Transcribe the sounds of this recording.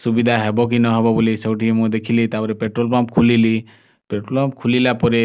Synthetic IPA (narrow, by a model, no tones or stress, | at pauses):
subid̪ʱaɦɛbɔk̬inɔɦɛbɔbolisewʈʰiɛmũd̪ekʰilit̪apɔɾepeʈɾolpamp̚kʰulili | peʈɾolpamp̚kʰulilapɔɾe